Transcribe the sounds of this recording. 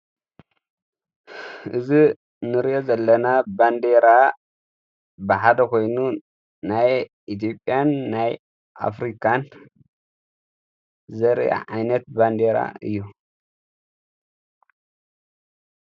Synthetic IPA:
ʔɨzi | nɨɾiʔo̞zɐlːɐnaband̪eɾa | bɨħad̪ɐkʰo̞jnu | naj | it̪̬ʰo̞pʼːjanːaj | ʔa̰fɾikʰan | zɐɾja̰ʕajnɐt̪̚band̪eɾa̰ɨ̰jːu

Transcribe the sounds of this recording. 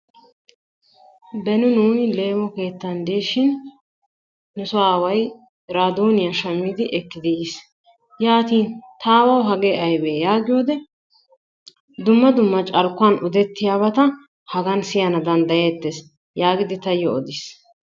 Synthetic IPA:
bɛnʊnuːjle̞ːmɔke̞ːt̪ːɐnd̪iːʃɪn | ʊsʊaːwɐj | ɾaːd̪oːnɪjaʃɐmːiːd̪ɪʔɛkːɪd̪ɪis | jaːt̪iːnt̪ʰaːwɐwɦɐɡeɐjbeːjaːɡɪjo̞ːd̪ɛ | d̪ʊmːɐd̪ʊmːɐt͡ʃʼɐɾkːʊɐnʔʊd̪ɛt̪ːɪjaːβɐt̪ɐ | hɐɡɐnsɪjɐnɐd̪ɐnd̪ɐjeːt̪ːes | jaːɡɪd̪ɪt̪ɐjːɔɔd̪ɪs

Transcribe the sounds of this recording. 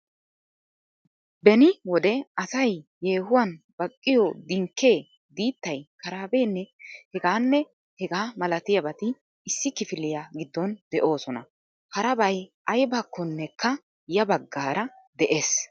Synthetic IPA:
bɛnɪwɔd̪ɛɐsɐjjeːhʊwɐn | b̥ɐkʼːɪjɔd̪ɪŋkːe̞ː | d̪iːt̪ːɐjkɐɾaːbe̞ːnːɛhɛɡaːnːɛ | hɛɡaːmɐlɐt̪ɪjɐbɐt̪ɪ | ɪsːɪkɪfɪlːɪjaːɡɪd̪ːɔnd̪ɛʔo̞ːsɔnɐ̰ | hɐɾɐbɐjʔɐjbaːkːɔnːɛkːɐ | jɐbɐɡːaːɾɐ | d̪ɛʔeːs

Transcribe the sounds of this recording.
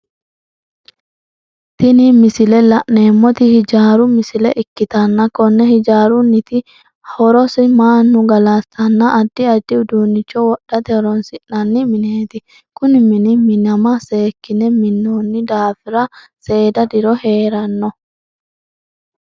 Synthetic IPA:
t̪ɪnimɪsɪlɛlɐʔne̞ːmːɔt̪ɪhɪd͡ʒaːɾʊmɪsɪlɛʔɪkːɪt̪ɐnːɐkɔnːɛhɪd͡ʒaːɾʊnːɪt̪ɪ | hɔɾɔsɪmaːnːʊɡɐlast̪ɐnːɐʔːd̪ːɪɐd̪ːɪʊd̪uːnːɪt͡ʃːɔwɔɗːɐt̪ɛhɔɾɔnsɪʔnɐnːɪmɪneːt̪ɪ | kʊnɪmɪnɪmɪnɐmɐse̞ːkːɪnɛmɪnːoːnːɪd̪aːfɪɾɐ | se̞ːd̪ɐd̪ɪɾɔhe̞ːɾɐnːɔ

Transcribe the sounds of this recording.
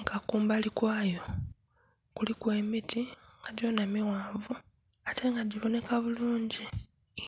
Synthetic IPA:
ɡakuːmbalikwaːjo̞ | kulikwe̞ːmitʰiŋɡaɟo̞namiwaːvu | ate̞ŋɡaɟiβo̞ne̞kaβuluːɲɟi

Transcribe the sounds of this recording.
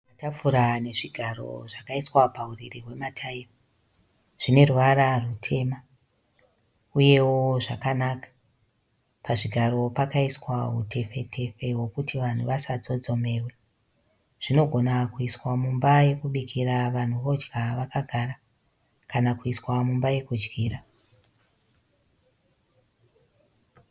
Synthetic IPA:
atafuɾane̞ʐiɡʱaro̞̰ʐakaiswapauririwe̞matʰairo | ʐ̥ine̞ruʋaɾarutʰe̞ma | uje̞woʐakanakḁ | paʐiɡʱaɾo̞pakaiswautʰe̞fe̞tʰe̞fe̞ɦwo̞kutiʋan̤uʋasad͡zo̞d͡zo̞me̞rwe̞ | ʐ̥ino̞ɡʱo̞nakuiswamumbaje̞kuɓikʰiraʋan̤uʋo̞d͡ʒɡaʋakaɡʱara | kanakuiswamumbaje̞kud͡ʒɡiːra

